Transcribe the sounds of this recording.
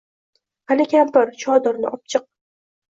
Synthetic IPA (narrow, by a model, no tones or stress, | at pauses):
halɪkʲampɪɾt͡ʃʰɒd̪ɪɾnɪʔɒp̚t͡ʃʰɨq̚